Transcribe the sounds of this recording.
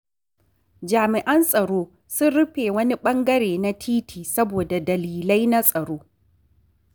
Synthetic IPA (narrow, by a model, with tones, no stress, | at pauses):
d͡ʒaː˨mɪ˨ʔɐ˦nsʼɐ˨ɽoː˦ | sʊ˦nɽʊ˦ɸeː˨wɐ˦ni˦ɓɐ˦ŋɡɐ˦ɽeː˨na˦tʰiː˦tʰiː˨sɐ˦boː˨da˨dɐ˨liː˨la˦jna˦sʼɐ˨ɽoː˦